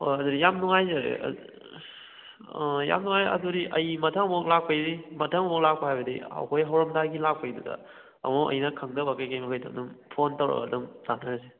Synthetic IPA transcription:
ojazuɾijamnuŋajzɐɾḛ | ja̰mnuŋajɐ̰duɾiʔɐjmɐtʰɐŋɐmɔk̚lak̚pʰajzimɐtʰɐŋɐmɔk̚lak̚pɐɦajbɐdia̰whojɦawɾɐmdaɡilak̚pʰajdudɐ̰ | ɐ̰mowʔɐ̰jnɐkʰɐŋdɐbɐkajkajmɐkʰajtʰa̰ŋduŋpʰontɐwɾɐ̰ɡa̰duŋtanaɾɐsi

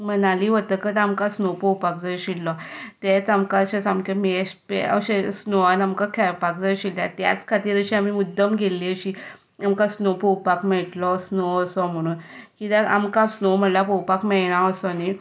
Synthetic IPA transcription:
m̤ənaliːʋət̪əkət̪amkasnopowpakd͡zəjɕiɽlɔt̪et͡samkãɕasamkemeɕpḛə̰ɕesnoanamkakʰɛɾpak̚d͡zəjɕilt̪jat̪ja̰t͡skʰat̪iːɾəɕiːamiud̪ʱːəmɡʱelːiəɕiː | amkasnopowpakmeʈlɔsnoəsɔm̤əɽ̃uːnkit̪aa̰mkãsnom̤əɳlapowpakmɛɭɽ̃ãəsɔani

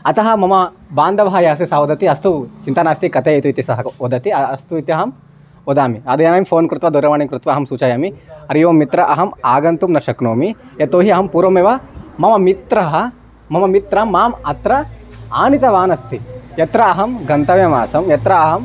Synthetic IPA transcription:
ɐt̪ɐɦɐmɐmɐ | baːnd̪ɐʋɐɦɐjɐːɐs̬isɐɦɐod̪ɐt̪iɐst̪ut͡ʃint̪aːnaːst̪ikɐt̪ejɐt̪uit̪jɐsɐɦɐod̪ɐt̪iɐɐst̪uit̪jɐɦɐm | od̪aːmiɐd̪ɐjɐnaːmifʰoːnkɾut̪ʋɐd̪uɾɐʋaːɳikɾut̪ʋɐːɦɐmsuːt͡ʃaːjaːmiɐɾijoːmːit̪ɾɐʔɐɦɐmaːɡɐnt̪umnɐʃɐknoːmijɐt̪oːɦiɐɦɐmpuːɾʋɐmeːʋɐmɐmɐmit̪ɾɐɦɐ | mɐmɐmit̪ɾɐmːaːmɐt̪ɾɐaːnit̪ɐʋaːnɐst̪ʰijɐt̪ɾɐːɦɐmɡɐnt̪ɐʋjɐmaːsɐmjɐt̪ɾɐːɦɐm

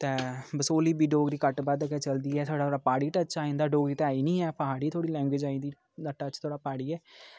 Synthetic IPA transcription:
t̪ɛ̃ːbəsoːliːbiːɖoːɡɾiːkəʈbad̪kɛːt͡ʃəld̪iːɛːt̪ʰoːɽaːt̪ʰoːɽaːpaːɽiːʈət͡ʃaːĩːnd̪aːɖoːɡɾiːt̪ɛaːiːnĩːɛːpəɦaːɽiːt̪ʰoːɽiːlɛ̃ːŋɡwɪːd͡ʒaːĩːd̪iː | d̪aːʈət͡ʃt̪ʰoːɽaːpaːɽiːɛː

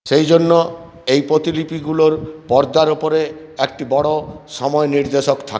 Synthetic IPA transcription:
ʃejd͡ʑonːo | ejpɾot̪ilipiɡuloɾpɔɾd̪aɾupoɾeekʈibɔɽoʃɔmɔeniɾd̪eʃokt̪ʰa̰k

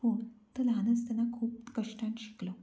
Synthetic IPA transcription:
ɦot̪əlanəst̪ɛnakʰuːp̚kəʂʈãnɕi̥klə

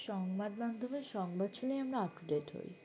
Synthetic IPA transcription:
ʃɔŋbad̪mad̪ʱːomeɾʃɔŋbad̪ʃʰoneamɾaapɾɖeʈɦo̰j

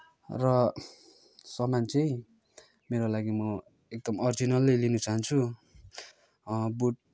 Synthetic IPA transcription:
rʌ | sʌmant͡sʌj̃ | meɾolaɡimʌ | ek̚d̪ʌmʌrd͡zinʌlːʌjlinut͡saɦʌnt͡sʰu | buʈ

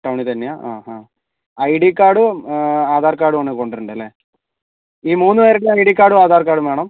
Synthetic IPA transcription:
ʈɐwɳit̪ɐnːejaːʔaːhãː | ɐjɽikːaːɽuaːðʱaːrkaːɽuʋɐnːɨko̞ɳɖiruɳɖɐlːeː | iːmuːnːɨʋeːɾɐʈɐlɐjɽikːaːɽuaːd̪ʱaːrkaːɽumʋe̞ːɳɐm

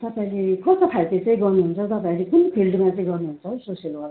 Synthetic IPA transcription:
t̪ʌpaĩlekʌsʌpʰajt̪et͡sʌ̃ĩɡʌrnuɦunt͡sʰʌt̪ʌpaeɾekunpʰilɖmat͡sʌĩɡʌrnuɦunt͡sʰʌsosjʌlʌ

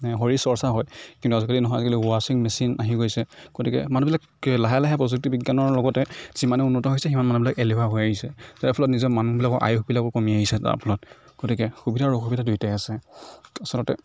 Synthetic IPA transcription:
ɦoɹisɔɹsaɦɔjkintuazikalinɔɦɔjazikaliuasiŋmesinaɦiɡojsɛɡ̥otikɛ̰manubilak | laɦalaɦɛpɹɔzɛk̚tibiɡːanɔɹlɔɡɔtɛz̥imanɛunːɔtɔɦojsɛximanmanubilakelibʱaɦojaɦisɛtaɹpʰɔlɔtnizɔmanubilakɔɹʔa̰jxbilakɔɹkomiaɦisɛta̰pʰɔlɔt | ɡ̥otikɛxubidʱaɹɔxubidʱadujtajasɛasɔlɔtɛ

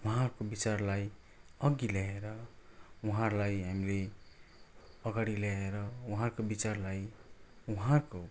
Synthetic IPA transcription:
uɦãɾkobit͡ʃaɾlaj | ʌɡileeɾʌ | uɦãɾlajɦamile | ʌɡaɽileeɾʌuɦãɾkobit͡ʃaɾlaj | uɦãɾko

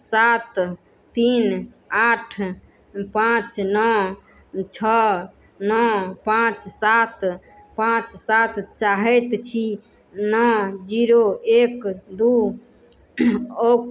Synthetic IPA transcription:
sat̪ː | in | aʈʰ | pãt͡ʃnɔ | t͡ʃʰɔ | nɔpãt͡ʃsat̪ | pãt͡ʃsat̪ʰt͡ʃaɦɛt̪t͡ʃʰi | nɔd͡ʒiɾoekd̪u | ok

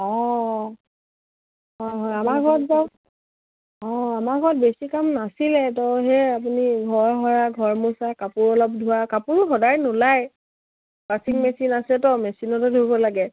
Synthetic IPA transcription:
ɔ | ɔɦɔjamaɹɡʱɔɹɔt̚bɔ | ɔ̃amaɹɡʱɔɹɔt̚besikamnasilɛtɔɦeap̬uniɡʱɔɹɦɔɹaɡʱɔɹmusakapʊɹɔlɔp̚dʱuwakapuɹxɔdajnulaj | pasiŋmɛsinasilɛtɔmɛsinɔtɛdʱuɹibɔlaɡɛ

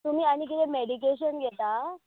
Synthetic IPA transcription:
t̪um̤iːaɽ̃ik̬it̪emeɽikeɕənɡʱet̪a

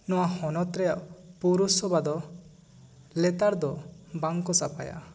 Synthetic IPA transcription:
nɔwahɔnɔt̪ɾeapuɾusɔbad̪ɔ | let̪aɾd̪ɔbaŋkɔsapaja̰

